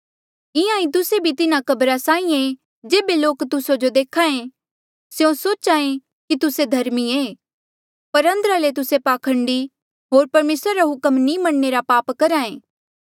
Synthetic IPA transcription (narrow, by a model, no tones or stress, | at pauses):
ɪãːĩt̪̬ʊsebʱit̪ɪnakɐbɾasãːĩe | d͡ʒeːbeloːkt̪ʊsod͡ʒod̪eːkʰaẽ | sjõsoːt͡ʃaːẽ | kit̪ʊsed̪ʱɐɾmieː | pɐɾɐ̃nd̪əɾalet̪̬ʊsepaːkʰə̃ɳɖi | ɦoːɾpɐɾmeːsɾaɾaɦʊkəmnimɐɽːeɾapaːpkɐɾaːẽː